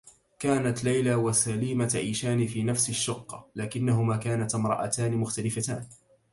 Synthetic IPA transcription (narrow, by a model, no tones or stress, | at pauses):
kaːnat̪lajlaːwasaliːmat̪ʕiːʃaːnɪfiːnafsɪʃːʊqːɑlaːkɪnːaɦʊmaːkaːnat̪mɾˤɑ̰ʔa̰t̪aːnɪmʊxt̪alɪfat̪a̰ːn